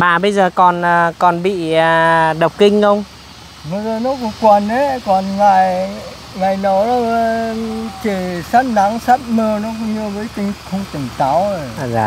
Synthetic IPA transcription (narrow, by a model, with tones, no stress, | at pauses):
maː˨˩ɓə˧jzəː˨˩kɔ˨˩nəː˨˩kɔ˨˩nɓḭː˧˨˩ɗə˨˩wk͡p̚kï˧ŋ̟xə˧wŋ͡m | mə˨˦zə˨˧nɔ˨˦ku˧˦kwa˨˩ne˨˦kɔ˨˩nŋaː˨˩j | ŋaː˨˩jnə˨˦wlɔ˨˦ | t͡ɕe˧˩saː˦˥t̚na˨˦ŋsaː˦˥t̚məː˧nɔ˨˦kʊ̰˧˦ŋ͡mɲɨ˧vəː˨˦jt̪ï˧˩ŋxə˧wŋ͡mt̪ï˨˩ŋt̪a˨˦wzaː˨˩